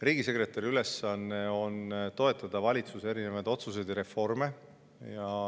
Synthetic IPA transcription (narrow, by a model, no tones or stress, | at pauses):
riːɡise̞kre̞t̪ːˑɑɾiyle̞sɑnːe̞o̞nt̪o̞e̞t̪ːˑɑd̪ɑvɑlʲit̪suse̞ɾine̞vɑjd̪̥o̞t̪sus̬e̞d̪eɾe̞fo̞rme̞ | jɑ